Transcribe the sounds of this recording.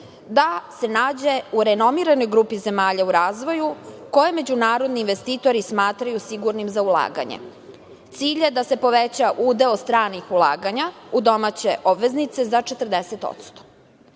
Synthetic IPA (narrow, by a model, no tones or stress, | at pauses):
d̪ase̞naːd͡ʑe̞uɾeno̞miɾano̞jɡɾupize̞maːʎauɾaːzʋo̞juko̞jeme̞d͡ʑunaːɾo̞d̪niːnʋest̪iːt̪o̞ɾismaːt̪ɾajusiɡuɾnimzaulˠa̰ːɡa̰ɲḛ | t̪siːʎe̞d̪ase̞po̞ʋet͡ɕaʔuːd̪eost̪ɾaːnixulˠa̰ːɡaɲaud̪o̞mat͡ɕeʔobʋe̞znit̪sezat͡ʃe̞t̪r̩d̪eset̪o̰t̪st̪o̥